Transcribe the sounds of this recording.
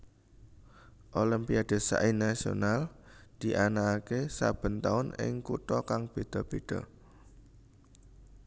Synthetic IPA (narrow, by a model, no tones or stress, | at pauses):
ʔolimpiad̪̥ə̤sa̰ʔinasio̰nald̪̥i̤ʔanaːkesa̰b̥ə̤nt̪aʊnɪ̰ŋkut̪ɔkaŋb̥e̤d̪̥ɔ̤b̥e̤d̪̥ɔ̰